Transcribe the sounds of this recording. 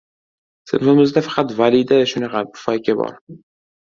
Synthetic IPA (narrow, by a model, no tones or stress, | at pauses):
sɪmonmɪzd̪afḁqʰɑt̪valid̪aʃʊnɑqʰɑpʊ̥fajkʲabɒ̰ɾ